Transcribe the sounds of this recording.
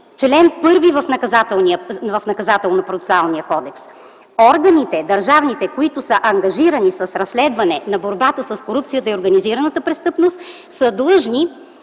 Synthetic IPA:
t͡ʃlɛnpɤɾvivɐfnɐkɐzat̪ɛlˠniəvɐfnɐkɐzat̪ɛlˠnopɾot̪ɛ̥salˠnijəkɔd̪ɛks | ɔɾɡɐnit̪ɛd̪ɐɾʒavnit̪ɛkoit̪ʊsəʔɐŋɡɐʒiɾənisɐsɾɐsːlɛd̪vɐnɛnɐboɾbat̪əsɐskoɾupt̪sijət̪əioɾɡɐniziɾɐnət̪əpɾɛst̪ɤpnost̪ | səd̪lˠɤʒni

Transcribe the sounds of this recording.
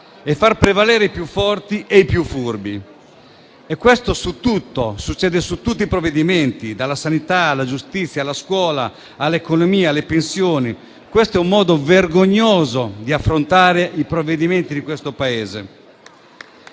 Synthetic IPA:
ɛfːarpɾevaleːɾeipjufːɔrt̪iʔeipjufːurbi | ekwest̪osut̪ːut̪ːosut͡ʃːɛːd̪esut̪ːut̪ːipɾoved̪iment̪id̪alasanit̪aːlad͡ʒust̪it̪sːjalaskwɔːlaː | lːekonomiːalepensjoːni | kwest̪oɛumːɔːd̪overɡoɲːoːzod̪iafɾont̪aːɾeipɾovːed̪iment̪id̪ikwest̪opaeːzḛ

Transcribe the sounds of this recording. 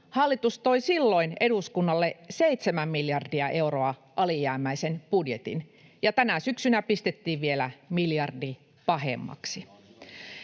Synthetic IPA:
hɑlːit̪ust̪o̞isilːo̞ineduskunːɑlːeseit̪semæmmiljɑrdiɑʔe̞uroɑʔɑlijæːmæisenpudjet̪ḭn | jɑt̪ænæsyksynæpist̪et̪ːiːʋʋielæmiljɑrdi | pɑɦḛmːɑ̰ksi

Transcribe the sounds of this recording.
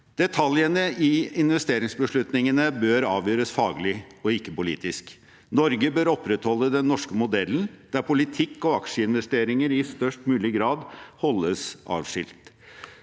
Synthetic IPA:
d̪̥ɛt̪ʰɑljənəɪɪnʋɛst̪eːɾɪŋsbəʂɭʉt̪nɪŋənəbøːɾɑːʋjøːɾəsfɑːɡlɪɔɪkːəpʊlḭːt̪ɪsk | nɔɾɡəbøːɾɔpːɾɛt̪hɔlːəd̪ɛnːɔʂkəmʊd̪ɛlːnd̪̥æɾpʰʊlɪt̪ʰɪkːɔɑkʂəɪnʋɛst̪eːɾɪŋəɾɪst̪œʂʈmʉːlɪɡɾɑːd̪hɔlːəsɑ̰ːʋʂɪ̰lt̪

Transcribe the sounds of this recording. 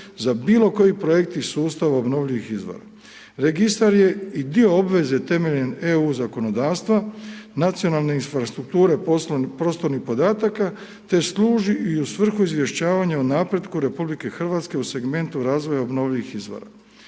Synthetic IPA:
zabiːlo̞ko̞jipɾo̞jek̚t̪isuːst̪aʋaobno̞ʋʎiʋixizʋo̰ɾa̰ | ɾe̞ɡist̪aɾje̞id̪io̞obʋe̞zet̪e̞me̞ʎene̞uːzako̞no̞d̪aːʋst̪ʋanat̪sio̞nalˠne̞infɾast̪ɾuk̚t̪uːɾe̞pɾo̞st̪o̞ɾnixpo̞d̪aːt̪aka | t̪e̞slˠuːʒiʔiusʋr̩xuizʋje̞ʃt͡ɕaːʋaɲaunapɾe̞d̪kuɾe̞publike̞xr̩ʋat̪ske̞use̞ɡme̞nt̪uɾaːzʋo̞jaobno̞ʋʎiʋixizʋo̞̰ɾa̰

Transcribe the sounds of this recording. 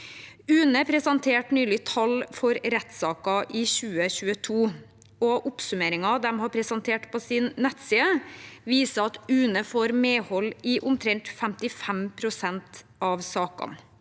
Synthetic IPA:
ʉːnəpʰɾɛsɑnt̪ʰeːʈnyːlɪt̪ʰɑlfɔɾɾɛt̪sɑːkɑʔɪɕʉːəçʉːət̪ʰuː | ɔʔʊpsʉmeːɾɪŋɑd̪ɛmhɑpʰɾɛsɑnt̪ʰeːʈpʰɔsɪnːɛt̪siːəʋiːsəɑt̪ʉːnəfoːɾmeːhɔlːɪʔʊmt̪ʰɾɛŋt̪fɛmt̪ɪfɛmpʰɾʊsɛnt̪ | ɑʋsɑːkɑ̰n

